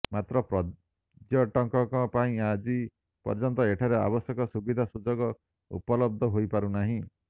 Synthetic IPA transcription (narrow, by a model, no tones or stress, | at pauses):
mat̪ɾɔpɾɔ | d͡ʒjɔʈɔŋkɔkɔpaĩad͡ʒi | pɔ̰ɾd͡ʒɔnt̪ɔeʈʰaɾea̰bɔsjɔkɔsubid̪ʱasud͡ʒɔɡɔ | ṵpɔlɔb̚d̪ʱɔɦojpaɾunaɦĩ